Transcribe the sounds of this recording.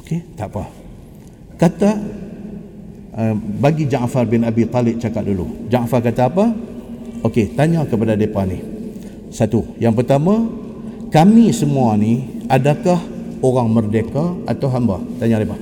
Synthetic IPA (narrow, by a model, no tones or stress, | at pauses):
oket̪aʔpa | kat̪a | əbaɡid͡ʒaŋafarbɪnabit̪ˤalɪp̚t͡ʃakat̪̚dulṵd͡ʒaŋafarkat̪aːpa | oket̪aɲakəpadadepanih | sat̪ujaŋpərt̪amã | kamisəmuaniadakahoɾaŋmərdekaat̪awɦambat̪aɲadepa